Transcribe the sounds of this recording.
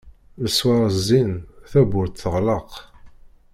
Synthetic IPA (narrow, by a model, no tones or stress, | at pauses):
əsːwɑɾˤəzːinθæbʊɾt̪θəʁləq